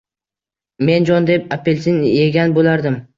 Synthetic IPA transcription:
me̞nd͡ʒɒnd̪ep̚apʰelʲsʰɪnje̞ɡʲanbolaɾd̪ɪm

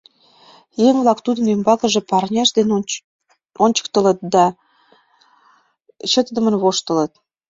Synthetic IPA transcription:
jeŋβlɑkt̪ud̪ənembɑkə̆ʒĕpɑrnʲɑʃd̪en | onʲt͡ɕə̥k̚t̪ə̆lə̆t̪̚d̪ɑ | ɕət̪əd̪ə̆mə̆nβoʃt̪ə̆lə̆t̪̚

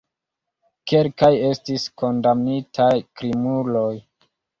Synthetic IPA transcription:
ke̞lkaje̞stisko̞ndamnitʰajkɾimulo̞j

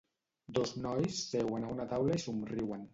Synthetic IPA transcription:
d̪oznɔjsːewanaunat̪awlaisumriwan

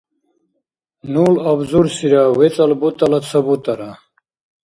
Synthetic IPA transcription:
nulɐbzuɾsiɾawet͡sɐlbut̪ɐlɐt͡sʰɐbut̪ɐɾa

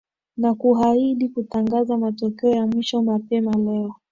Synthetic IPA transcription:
nakuɦaiɗikutaŋɡazamatɔkɛɔjamwiʃɔmapɛmalɛɔ

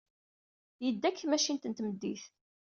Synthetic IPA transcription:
jəd̪ːækːθmæʃint̪ənt̪məd̪ːiθ

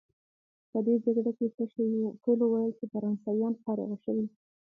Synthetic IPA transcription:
pəd̪ed͡ʒaɡɽakekəʃwiʈolowajəlt͡ʃefaɾɑnsɑjɑnpɑɾɑ̰ɣaʃəwi

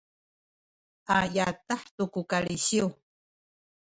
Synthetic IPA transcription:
ʔajataħtukukaɭiɕiw

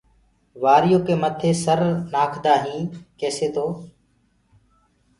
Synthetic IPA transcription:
ʋaːɾɪjoːkeːmət̪ʰeːsəɾnaːkʰd̪aːɦĩːkeːseːt̪ʰoː

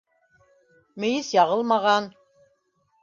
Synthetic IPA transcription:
mɘ̆jɘsjɑʁɤlˠmɑʁɑn

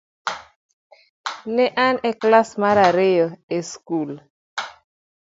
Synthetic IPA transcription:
nɛʔanɛklasmaɾaɾejɔeskul

